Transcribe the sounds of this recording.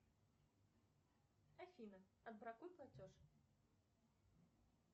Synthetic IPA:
afʲinɐ | ɐd̪̚bɾakujplˠat͡sʲɔʂ

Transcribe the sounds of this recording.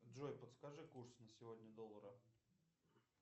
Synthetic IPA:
dʐojpət̪skaʐɨkursnəsʲɪvodʲnʲəd̪olˠːəɾə

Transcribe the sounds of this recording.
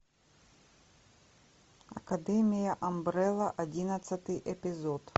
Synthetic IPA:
ɐ̰kɐd̪ɛmʲɪjɐʔɐmbɾɛlˠɐʔɐdʲinɐt̪sɐt̪ɨjʔɛpʲɪzot̪

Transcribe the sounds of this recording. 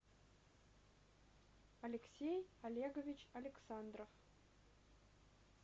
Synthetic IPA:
ɐlʲɪksʲejɐlʲeɡovʲit͡ɕɐlʲɪksand̪rof

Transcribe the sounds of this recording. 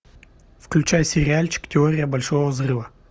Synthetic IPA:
fklʲʉt͡ɕajsʲɪɾʲɪalʲt͡ɕɪ̥ktʲɪoɾʲɪjəbɐlʲʂovəvzrɨvə

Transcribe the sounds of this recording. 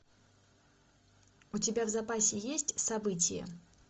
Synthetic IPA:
ʊtʲɪbʲavzɐpasʲɪjesʲtʲsɐbɨt̬ʲɪjə̰

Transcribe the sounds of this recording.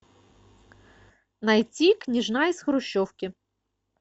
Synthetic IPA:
nɐjt͡sʲiknʲiʒnɑizxɾʊʃːɔwkʲɪ

